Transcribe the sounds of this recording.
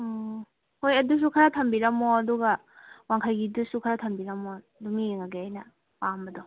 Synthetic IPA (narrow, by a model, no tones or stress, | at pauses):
hojɐdus̬ukʰaɾatʰɐmbiɾɐmːɔɐduɡɐ | waŋkʰajɡidusukʰaɾatʰɐmbiɾɐmɔ | dumiŋaɡeajnɐ | pambɐdɔ